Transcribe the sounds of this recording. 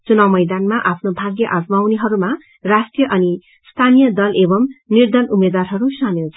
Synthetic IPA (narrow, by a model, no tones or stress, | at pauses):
t͡sunawmʌjd̪anmaʔapʰnobʱaɡjʌʔazmawniɦʌɾuma | rasʈrijʌʔʌni | st̪ʰanijʌd̪ʌlebʌmnird̪ʱʌnumed̪warɦʌɾusʌmjewt͡sʰʌ̥